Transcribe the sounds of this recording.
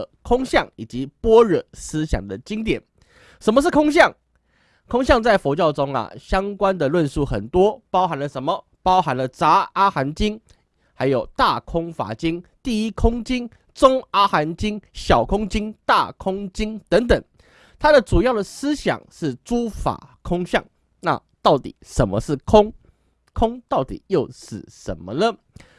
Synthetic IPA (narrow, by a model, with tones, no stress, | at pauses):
kʰʊ˥ŋɕjɑ˥˨˩ŋi˨˩t͡ɕi˧˦pwɔ˥ɻə˨˩sɹ̩˦˥ɕjɑ̰˨˩ŋd̪ə˨˩t͡ɕi˥ŋt̪jɛ˨˩˦n | ʂə˧˥nmə˧ʂ̬̩˥˩kʰʊ˥ŋɕ̬jɑ˥˨˩ŋ | kʰʊ˥ŋɕjɑ˥˧ŋt͡sa˥˩ɪfo˧˥t͡ɕjɑ˥˩ʊʈ͡ʂʊ˥ŋa̰˨˩ɕjɑ˥ŋkwa˦nd̪ə˨lwə˥˧nsu˥˩xə̰˨˩nt̪wɔ˥pɑ˥ʊxa˧˥nlə˨ʂə˧˦nmə˨ | pɑ˥ʊxa˧˦nlə˨t͡sa˧˥a˥xa˧˥nt͡ɕi˥n | ha˧˥ɪjo˨˩ʊt̪a˥˨kʰʊ˥ŋfa̰˧˥t͡ɕi˦ŋt̪i˥˩i˥kʰʊ˥ŋt͡ɕi˥ŋ | t͡sʊ˥ŋa˥xa˧˥nt͡ɕi˥ŋɕjɑ˨˩ʊkʰʊ˥ŋt͡ɕi˥ŋt̪a˥˩kʰʊ˥ŋt͡ɕi˥ŋt̪ə˧˦˥ŋt̪ə˨˩˦ŋ | t̪ʰa˥d̪ə˨t͡su˨˩jɑ˥˩ʊd̪ə˨sɹ̩˥ɕjɑ̰˨˩˦ŋʂɻ̩˥˩t͡su˥fa̰˨˩kʰʊ˥ŋɕjɑ̰˥˩ŋ | na̰˥˧t̪ɑ˥˩ʊt̪ḭ˨˩˦ʂə˨˩nmə̰˦ʂɻ̩˥˩kʰʊ˥ŋ | kʰʊ˥ŋt̪ɑ˥˩ʊt̪ḭ˨˩jo˥˧ʊʂɻ̩˥˩ʂə̰˧˩nmə˧nə˦